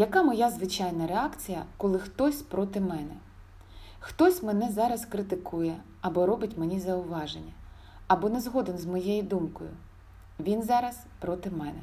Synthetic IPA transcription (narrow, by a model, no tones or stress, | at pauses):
jɐkamɔjazʋɪt͡ʃɑjnɐɾeɑkt͡sʲijɐkɔlˠɪxt̪ɔsʲpɾɔt̪ɪmɛnɛ | xt̪ɔsʲmenɛzɑɾɐskɾɪt̪ɪkujɛ | ɐbɔɾɔbɪtʲmenʲizɐʊʋɑʒenʲːɐ | ɐbɔnezɦɔd̪enzmɔjejid̪umkɔjʊ̰ | ʋʲinzɑɾɐspɾɔt̪ɪmɛnɛ